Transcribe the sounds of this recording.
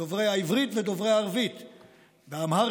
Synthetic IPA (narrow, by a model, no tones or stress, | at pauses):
ovʁejaivʁit̪ved̪ovʁejaːʁvit̪ | veamha